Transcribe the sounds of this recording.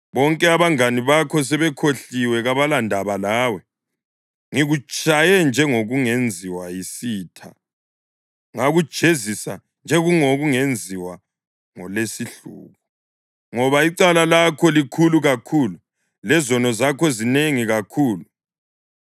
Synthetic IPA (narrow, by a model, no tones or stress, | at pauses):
βɔŋkʼɛaβaŋaniβakʰɔs̬ɛβɛkʰoɬiwɛɣaβalandʱaβalaːwɛ | ŋiɣut͡ʃʼajɛnd͡ʒʱɛŋoɣuŋend͡zʱiwajisiːtʰa̰ | ŋaɣud̥ʒ̥ʱezisa | nd͡ʒʱɛɣuŋoɣuŋend͡zʱiwa | ŋɔlesiɬṵːɣu | ŋɔβaiǀalalakʰɔlikʰuluɣakʰulu | lɛzɔnɔzakʰɔzineŋiɣakʰuːlu